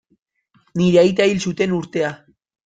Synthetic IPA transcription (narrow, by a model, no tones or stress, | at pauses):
niɾeajt̪̬ailsut̪e̞nuɾt̪e̞a